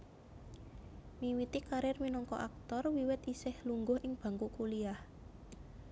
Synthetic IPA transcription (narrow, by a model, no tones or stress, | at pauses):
miwit̪ikaɾɪrminɔŋkɔ̰ʔa̰k̚t̪ɔrwiwɪt̪isɪhluŋɡʊhʔɪŋb̥a̤ŋkuʔkuliah